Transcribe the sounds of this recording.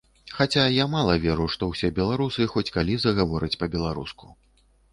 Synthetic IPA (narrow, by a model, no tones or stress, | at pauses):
xat͡sʲajamalˠɐvʲɛɾuʂt̪ɔwsʲɛbʲɛlˠaɾusɨxɔt͡sʲkalʲizɐɣavɔɾɐt͡sʲpɐbʲɛlˠaɾusku̥